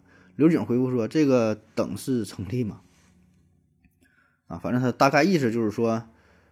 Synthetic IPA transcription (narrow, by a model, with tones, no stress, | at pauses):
ljo˧˥ʊt͡ɕə˨˩ŋxwɪfu˥˩ʂwɔ˥ʈ͡ʂɤ˥˩ɡə˩t̪ɤ̰˨˩ŋʂɻ̩˥˩t͡sʰɤ˧˥ŋt̪ʰi˥˩mɐ˩ | ɐ̰˧˩fa˨˩nʈ͡ʂɤ˥˩ŋt̪ʰa˥˧t̪a˥˧ka˥˧ɪi˥˩ʂ̬ɻ̩˥˧t͡ɕjo˥˧ʊʂɻ̩˥˩ʂwɔ˥